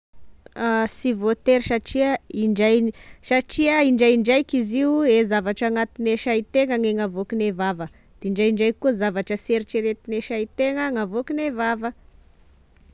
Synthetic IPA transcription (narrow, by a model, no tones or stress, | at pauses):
asivot̪eɾsaʈ͡ʂiəiɳɖ͡ʐajsaʈ͡ʂiəiɳɖ͡ʐajiɳɖ͡ʐajkiziuezavaʈ͡ʂaŋat̪ineʃait̪eŋəŋeŋavokinevavə | d̪̥eiɳɖ͡ʐajiɳɖ͡ʐajkːuəzavaʈ͡ʂəseɾit͡ʃeɾet̪ineʃajit̪eŋəŋavokinevavə